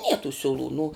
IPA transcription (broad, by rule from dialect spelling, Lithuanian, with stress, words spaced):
nʲiɛ tuː sʲʊˈlˠuː nʊ